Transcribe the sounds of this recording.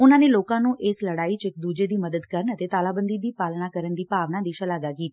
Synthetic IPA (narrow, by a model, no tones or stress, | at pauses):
ʊnãːneloːkãːnũːʔeːsləɽaːit͡ʃɪkd̪uːd͡ʒed̪iːməd̪əd̪kəɾənət̪et̪aːlaːbə̃nd̪iːb̪iːpaːlnakəɾənd̪iːpaːʋnãd̪iːʃəlaːɡakiːt̪a